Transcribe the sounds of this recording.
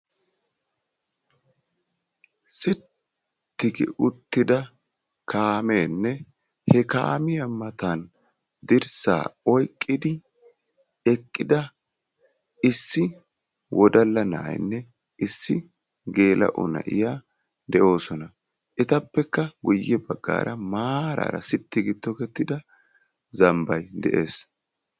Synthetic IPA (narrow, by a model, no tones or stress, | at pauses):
sɪt̪ː | ɪɡɪ̰ʔʊt̪ːɪd̪ɐ | kʰaːmeːnːɛ | hɛka̰ːmɪjɐmɐt̪an | d̪ɪɾsa̰ːɔjkʼːɪd̪ɪ | ɛkʼːɪd̪ɐ | ɪsːɪ | wʔɔd̪ɐlːɐna̰ʔjnːɛ | ɪsːɪ | ɡe̞ːlɐ̰ʔɔ̰nɐ̰ʔɪ̰jaː | d̪ɛʔo̞ːsɔnɐ | ʔɛt̪ɐpːɛkːɐɡʊjːɛbɐɡːa̰ːɾɐmaːɾa̰ɾɐ̰sɪt̪ːɪɡɪt̪ːɔkɛt̪ːɪd̪ɐ | zɐmbɐjd̪ɛʔe̞ːs